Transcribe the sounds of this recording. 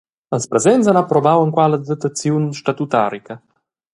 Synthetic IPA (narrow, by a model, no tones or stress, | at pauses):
əlspɾɛzɛnsanapɾɔbawəŋkwaləd̪at̪at͡sjunʃtat̪ut̪a̰ɾikə